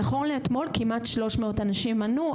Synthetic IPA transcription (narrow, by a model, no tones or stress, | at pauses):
aχonleet̪mo̞lkimʔatʃlo̞ʃmeo̞tanaʃimanu